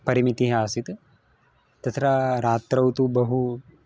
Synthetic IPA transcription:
pɐɾimit̪iɦaːsit̪ | t̪ɐt̪ʰɾaɾaːt̪ɾɐwt̪ubɐɦu

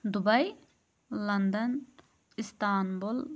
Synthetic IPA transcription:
d̪ubɐj | lɐnd̪ɐn | ist̪aːnbul

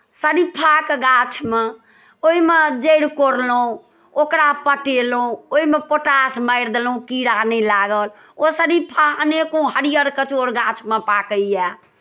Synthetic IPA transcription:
səɾipʰakeɡat͡ʃʰme | oɦimed͡ʒəɽkoɾluũ | okɾapəʈelũoimepoʈasməɪɾd̪elũkiɾanɛlaɡəl | osəɾipʰaənekũɦəɽijəɾkət͡ʃoɽɡat͡ʃʰmepakəɛ

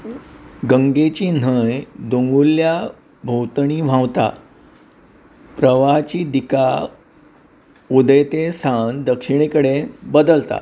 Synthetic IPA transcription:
ɡəŋɡet͡ɕiːn̤əjd̪oŋɡulːja | bʱowt̪ɳ̃iːʋ̤ʱãwt̪a̰ | pɾəʋat͡ɕiːd̪ika | ud̪əjt̪esand̪əkʂiɳ̃ikəɽebəd̪əlt̪a̰t̪

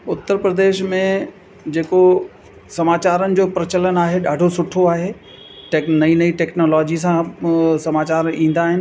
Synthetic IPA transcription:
ʊt̪ːəɾpɾəd̪eːʃmẽ | d͡ʑeːko | sɐmaːt͡ɕaːɾənɪ̆d͡ʑoːpɾɐt͡ɕələnaːɦeɗaːɖʱosʊʈʰoaːɦe | ʈːnɐinɐiʈɛːknoːlɔːd͡ʑis̬ãsɐmaːt͡ɕaːɾĩːn̆d̪aːɦɪnɪ̆

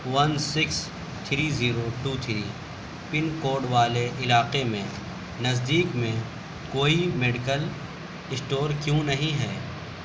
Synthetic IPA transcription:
ʋɐnsɪks | t̪ʰɾiːziːɾoʈuːt̪ʰɾiː | pɪnkoːɾɖʋaːleʔɪlaːqemẽ | nɐzd̪iːkmẽ | koːimeːɖɪkəl | ɪsʈoːɾkjõnɐɦĩɦɛː

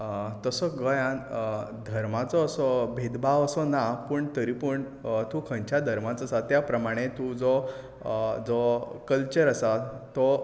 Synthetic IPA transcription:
t̪əsɔɡəjãnd̪ʱəɾmat͡sɔːsɔbʱed̪baʋəsɔnapəɳt̪əɾipəɳ | t̪ukʰə̃ɲt͡ɕad̪ʱəɾmãt͡sːsat̪japɾəmaɽ̃et̪ũd͡zɔ | d͡zɔkəlt͡ɕəɾəsat̪ɔ

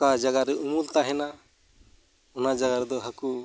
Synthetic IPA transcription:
kad͡ʒaɡaɾeʔumult̪aɦɛna | unad͡ʒaɡaɾd̪ɔɦəku

